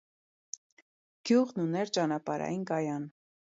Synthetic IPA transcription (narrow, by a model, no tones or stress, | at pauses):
ɡ̥juʁnunɛɾt͡ʃɑnɑpɑɾʔɑ̰jinkɑjɑn